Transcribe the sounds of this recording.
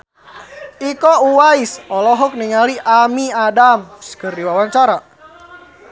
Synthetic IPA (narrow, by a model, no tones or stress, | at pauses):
ikɔuwaisɔlɔɦɔk̚niŋaliʔamiadamsə̥kərdiwawaɲt͡ʃaɾa